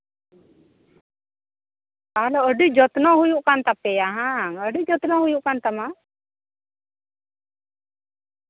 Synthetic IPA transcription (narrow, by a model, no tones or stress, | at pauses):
kalɔʔəɖid͡ʒɔt̪nɔɦujuʔkant̪apɛjaɦaŋəɖid͡ʒɔt̪nɔhujuʔkant̪ama